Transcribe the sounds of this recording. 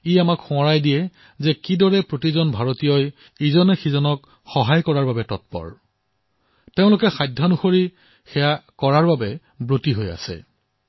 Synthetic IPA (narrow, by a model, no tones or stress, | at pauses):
ijamakxʊ̃ɔɹajdijɛ | zɛkidɔɹɛpɹotizɔnbʱaɹotijɔj | izɔnɛxizɔnɔk | xɔɦajkɔɹaɹbabɛtɔt̚pɔ̰ɹ | teʊ̃lʊkɛxajdʱːanuxoɹi | xɛjakɔɹaɹbabɛ | bɹutiɦoja̰sɛ̰